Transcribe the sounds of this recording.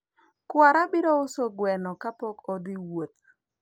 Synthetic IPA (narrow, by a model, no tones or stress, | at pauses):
kwaɾabiɾoʊsoɡwɛnɔkapɔkɔd̪ɪwot̪̚